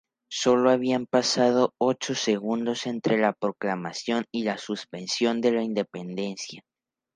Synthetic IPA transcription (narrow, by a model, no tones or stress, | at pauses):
so̞lo̞aβ̞iampasað̞o̞ot͡ʃo̞se̞ɣund̪o̞se̞nt̪ɾe̞lapɾo̞klamasjo̞nilasuspe̞nsjo̞nd̪e̞laind̪e̞pe̞nd̪e̞nsja